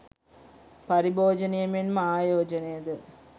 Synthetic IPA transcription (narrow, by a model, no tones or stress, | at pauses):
pɐɾiboːd͡ʑɐnɐjɐminmaːjoːd͡ʑɐnejɐðɨ